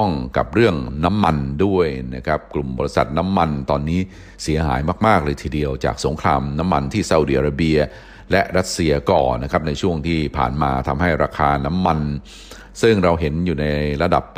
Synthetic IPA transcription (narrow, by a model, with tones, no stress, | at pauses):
ŋka˨˩p̚ɾɯ˥˩əŋna˦˥mːa˧ndu˥˩əjna˦˥kʰɾa˦˥p̚klu˨˩mbɔː˧ɾi˦˥sa̰˨˩t̪̚na˦˥mːa˧nt̪ɔː˧nːiː˦˥ | si˩˦ɐɦa̰ː˩˦jmaː˥˩k̚maː˥˩k̚ɾɤː˧jt̪ʰiː˧˩di˧əwt͡ɕa̰ː˨˩k̚so˩˦ŋkʰɾaː˧mna˦˥mːa˧nt̪ʰiː˥˩sa˧˨˧di˧˩ʔa˧ɾa˧˩bi˧ɐ | lɛ˦˥ʔɾa˦˥t̪̚si˧ɐkɔ̰ː˨˩na˦˥kʰɾa˦˥p̚na˧jt͡ɕʰu˥˩əŋt̪ʰiː˥˩pʰa̰ː˨˩nmaː˧t̪ʰa˧mɦa˥˩jɾaː˧kʰaː˧na˦˥mːa˧n | sɯ˥˩ŋɾa˧wɦe˩˦njuː˨˩na˧jɾa˧da̰˨˩p̚